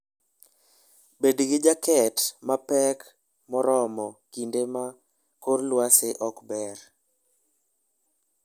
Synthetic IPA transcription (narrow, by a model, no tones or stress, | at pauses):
bedɡɪd͡ʒakɛtmapɛk | mɔɾɔmɔkindema | koɾlwaseʔɔkbɛɾ